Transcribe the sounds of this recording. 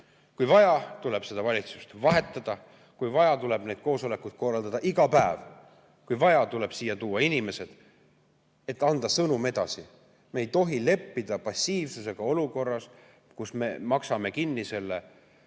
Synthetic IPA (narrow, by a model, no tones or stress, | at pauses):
kujvɑjɑt̪ule̞b̥se̞d̪̥ɑvɑlʲit̪su̥st̪vɑɦe̞t̪ːˑɑd̪̥ɑ | kujvɑjɑt̪uleb̥ne̞ːd̪̥ko̞ːso̞le̞kːˑud̪̥̚ko̞rːɑld̪ɑd̪ɑʔiɡ̥ɑpæev | kujvɑjɑt̪ule̞b̥siːjːɑt̪uːɑinime̞se̞d̪̥ | e̞t̪ːˑɑnd̪̥ɑsɤnume̞d̪̥ɑsi | mejt̪o̞ɦile̞pːid̪̥ɑpɑsʲːiːvsuse̞ɡ̥ɑo̞luko̞rːɑs | kusme̞mɑksɑme̞kinːise̞lːe